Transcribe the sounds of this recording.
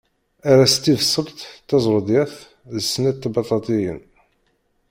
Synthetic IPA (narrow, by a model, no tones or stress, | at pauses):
aɾæst̪ivsˤːəlt̪t̪ːɑzˤɾˤd̪jæθ | ðəsːnæt̪ːbɑt̪ˤɑt̪ˤijə̰n